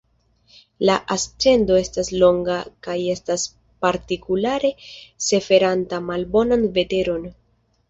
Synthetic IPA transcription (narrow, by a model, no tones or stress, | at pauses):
laʔast͡se̞ndo̞e̞staslo̞ŋɡakaje̞stas | paɾtikulaɾe̞se̞fe̞ɾantamalbo̞nanve̞te̞ɾo̞n